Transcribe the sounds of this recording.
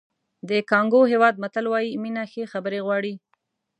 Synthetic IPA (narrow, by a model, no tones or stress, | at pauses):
d̪əkɑŋɡoɦewɑd̪̚mat̪əlwɑjiminaxexabəɾeɣwɑɽi